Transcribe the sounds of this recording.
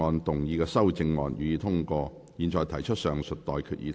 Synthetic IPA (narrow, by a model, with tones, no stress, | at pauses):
ɔː˨˧nt̪ʊ˨˩ŋjiː˧kɛː˧sɐ˥wt͡sɪ˧ŋːɔː˧njyː˨˧jiː˧t̪ʰʊ˥ŋkɔː˧ | jiː˨nt͡ʃɔː˨˩jt̪ʰɐ˨˩jt͡ʃʰɵ˥t̚sœː˨˩ŋsɵ˨t̚t̪ɔː˨jkʰyː˧t̚ʔjḭ˧t̪ʰ